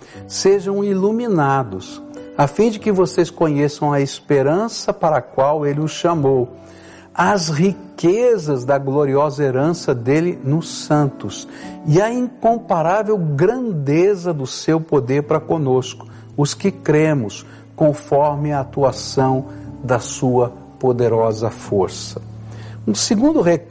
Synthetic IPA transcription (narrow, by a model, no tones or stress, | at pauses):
seʒɐ̃w̃iluminad̪ʊsafĩd͡ʒɪkɪvoseskõɲesɐ̃w̃ɐespeɾɐ̃sɐpaɾɐkwawelɪʊsʃamow | ɐzhikezɐzd̪ɐɡloɾiɔzɐeɾɐ̃sɐd̪elɪnʊsɐ̃nt̪ʊsɪɐĩŋkõpaɾavewɡɾɐ̃nd̪ezɐd̪ʊsewpod̪eɾpaɾɐkõnoskʊ̥ | ʊskɪkɾẽmʊs | kõfɔɾmɪɐat̪uasɐ̃w̃d̪ɐsuɐ | pod̪eɾɔzɐfoɾsɐ̥ũsɪɡũd̪ʊɦe